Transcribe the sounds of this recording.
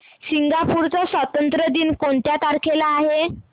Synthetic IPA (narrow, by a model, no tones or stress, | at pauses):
siŋɡapuɾt͡sasʋət̪ənt̪ɾəd̪iːnkoɳt̪jat̪aɾkʰelaːɦe